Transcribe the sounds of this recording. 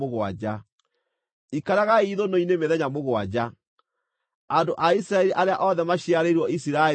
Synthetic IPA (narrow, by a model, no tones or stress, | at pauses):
oɣwa̰d͡ʑa | ikaɾaɣaiðonoinemeðɛɲamoɣwad͡ʑa | andoʔaisiɾaɛɾiʔaɾeaʔɔðɛmaɕiaɾeɾwɔisiɾae